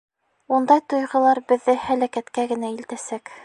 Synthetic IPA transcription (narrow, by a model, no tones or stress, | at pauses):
und̪ɑjt̪ŏjʁɤ̆lˠɑɾbɘ̆ðːɘhælækæt̪kæɡɘ̆næilt̪æsæk